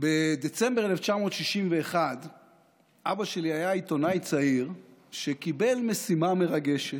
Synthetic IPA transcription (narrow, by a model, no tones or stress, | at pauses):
bed̪et͡se̞mbeeleft͡ʃamo̞t̪ʃiʃimveːχad | ʔabaʃe̞liajait̪o̞najt͡saiʁʃekibe̞lme̞simame̞ʁaɡe̞ʃe